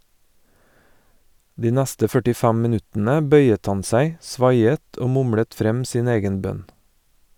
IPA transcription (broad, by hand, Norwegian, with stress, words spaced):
ˈdiː ˈnɛstə fœʈɪˈfɛm mɪˈnʉtn̩ə ˈbœʏət ˈɑn ˈsæɪ ˈsʋɑɪət ˈoː ˈmʊmɽət ˈfɾɛm ˈsiːn ˈeːɡən ˈbœn